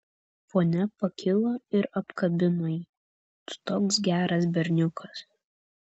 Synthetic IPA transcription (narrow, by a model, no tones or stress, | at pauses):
foːnʲɛpɐkʲɪlˠoɪɾɐpkɐbʲɪnoji | t̪ʊ̥t̪oːksɡʲæːɾɐs̬bʲɛɾʲnʲʊkʰɐs